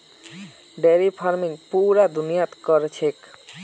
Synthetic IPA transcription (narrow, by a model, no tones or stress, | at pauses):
ɖeɾifʰaɾmiŋpuɾad̪unijat̪koɾet͡ɕʰek